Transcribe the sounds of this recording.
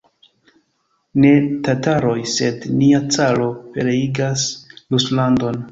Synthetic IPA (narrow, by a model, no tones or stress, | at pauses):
ne̞tataɾo̞jse̞dniat͡salo̞pe̞ɾe̞iɡasluslando̞n